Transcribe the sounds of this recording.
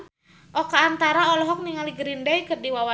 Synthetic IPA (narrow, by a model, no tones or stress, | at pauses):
ʔɔkaːnt̪aɾaɔlɔɦɔk̚niŋaliɡəɾindajkɨrdiwawa